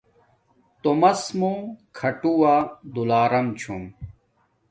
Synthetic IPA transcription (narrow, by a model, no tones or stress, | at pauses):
t̪omɐsmukʰɐʈuwaːd̪ulaːɾɐmt͡ɕʰum